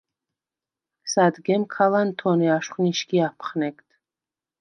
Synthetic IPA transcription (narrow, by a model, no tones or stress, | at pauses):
sad̪ɡɛmkʰalant̪ʰɔniaʃχniʃkiapʰχnɛkt̪ʰ